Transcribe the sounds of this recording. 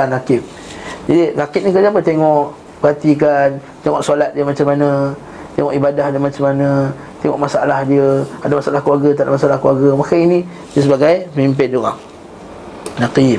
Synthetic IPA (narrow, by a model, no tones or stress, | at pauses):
anakɪp̚ | d͡ʒadinakɪp̚nĩkərd͡ʒaapət̪eŋɔʔ | bəat̪ik̬an | t̪eŋɔʔsalat̪̚diəmat͡ʃamːana | t̪eŋɔʔibadahdəmat͡ʃamana | t̪eŋɔ̰ʔmasaa̰lahdiəadamasalahklwaɡat̪aʔdamasalahkluaɡəmakainĩ | diəsəbaɡajməmimp̬ɪndoɣa̰ŋ | naki